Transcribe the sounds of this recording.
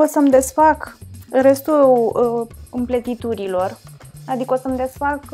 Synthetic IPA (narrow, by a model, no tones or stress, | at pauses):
osəmd̪e̞sfakre̞st̪u | ɨmplət̪it̪uɾilo̞rad̪ikəo̞səmd̪e̞sfak